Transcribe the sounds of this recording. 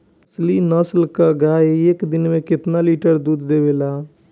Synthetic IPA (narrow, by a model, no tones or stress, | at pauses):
slinəslkəɡaeekd̪inmẽkɪt̪naliʈəɾd̪ud̪d̪ebela